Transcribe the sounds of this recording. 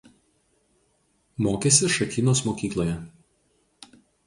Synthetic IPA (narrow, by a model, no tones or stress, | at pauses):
moːkʲesʲɪʃɐkʲiːnoːsmoːkʲiːklˠoːjɛ